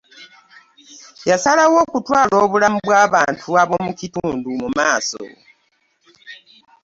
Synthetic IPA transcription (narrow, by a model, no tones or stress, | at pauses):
jasalawo̞ːkutwaːlo̞ːβulamuβwaːβaːntʰuaβo̞mucituːndumumaːso̰